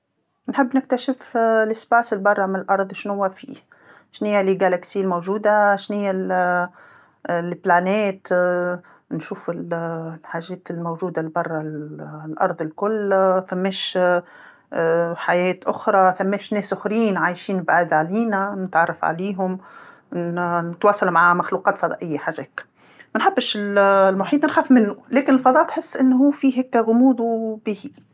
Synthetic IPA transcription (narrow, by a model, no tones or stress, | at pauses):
nħɪbːnɪk̚t̪aʃɪflɪsbaːsɪlbɑrˤːɑmɪnɪlʔɑɾˤðˤʃnhʊwːafḭː | ʃnijːaliɡalaksiːlmowʒuːd̪aʃnɪjːal | lplaneːt̪ | nʃuːfɪllħaːʒɛːt̪ɪlmowʒuːd̪albɑrˤːɑlʔɑ̰ɾˤðˤɪlkʊlːθamːeːʃ | ħajɛːt̪ʔʊxɾˤɑθamːeːʃnɛːsʊxɾiːnʕaːjʃiːnbʕad̪ʕaliːnanɪt̪ʕɑrˤːɑfʕa̰liːɦʊm | nɪt̪wɑːsˤɑlmaʕamaxluːqɑːt̪fɑd̪ˤɑ̰ːʔɪjːaħaʒeːk | mænħabːɪʃɪllmʊħiːt̪nɪnxæfmɪnːulɛːkɪnɪlfɑd̪ˤɑːʔt̪ħɪsːʔɪnːɦuːfiːɦekːɣʊmuːd̪ubɪhi